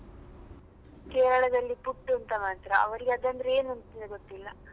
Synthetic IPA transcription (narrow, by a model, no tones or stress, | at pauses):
keːɾɐɭɐd̪ɐlːipuʈːuɐnt̪ɐmaːt̪ɾɐɐ̰ʋɐɾiɡeɐd̪ɐnd̪ɐɾeeːnuɐnt̪ind̪ɐɡot̪ːilːɐ